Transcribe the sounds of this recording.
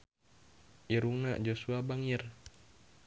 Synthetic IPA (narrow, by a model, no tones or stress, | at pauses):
ʔiɾuŋnaʔd͡ʒosuabaŋir